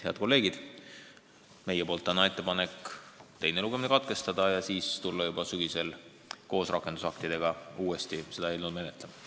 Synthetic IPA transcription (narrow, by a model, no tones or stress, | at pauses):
heɑ̰d̪̥ko̞lːe̞ːɡid̪̥ | me̞jepo̞ːlt̪ˑːɑnːɑe̞t̪ˑːe̞pɑne̞kːˑt̪e̞jneluɡemnekɑt̪̚ke̞st̪ɑd̪̥ɑjɑsiːst̪ulːɑjubɑsyɡ̥ise̞l | ko̞ːsrʔɑkːˑe̞nd̪usɑkt̪id̪̥e̞ɡ̥ɑuːest̪ise̞d̪̥ɑejlnud̪me̞net̪ˑlem